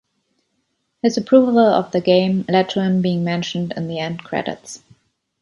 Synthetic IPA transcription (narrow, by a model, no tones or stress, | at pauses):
hɨzəpʰɹ̥uvəl̩ˠʌ̰vðəɡẽɪ̃mlɛtɹə̃nbiɪ̃ŋmɛ̃nʃn̩dɨ̰̃nðiɛ̃ndkʰɹ̥ɛ̰ɾɪ̰ts